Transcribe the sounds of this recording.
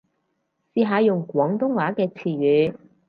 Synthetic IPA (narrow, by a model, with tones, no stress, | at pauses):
siː˨˧ɦaː˨˧jʊ˨˩ŋkʷwɔː˨˥ŋt̪ʊ˥ŋwaː˨˥kɛː˧t͡sʰiː˨˩ɥyː˨˥